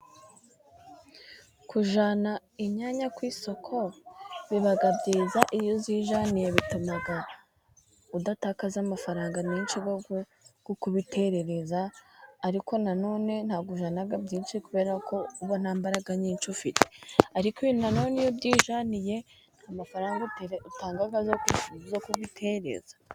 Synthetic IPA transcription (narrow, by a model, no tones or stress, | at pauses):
kuʒana | iɲaɲakwiːso̞kʰo̞βiβaɡabɟiːzaʔijoziːʒanijeβitumaɡa | udatakazamafaɾaːŋɡaɲiːnʃiɡo | ɡ̥ukuβitʰe̞ɾe̞ɾe̞zaːɾikʰo̞nano̞ːne̞n̥haːɡuʒanaɡabɟiːnʃikuβe̞ːɾakʰo̞uβon̥haːmbaɾaɡaɲiːnt͡ʃufiteaɾikinano̞ːnejobɟiːʒanije̞ | amafaɾaːŋɡaututaːŋɡaɡazozokuβitʰe̞ɾe̞̰z̥ḁ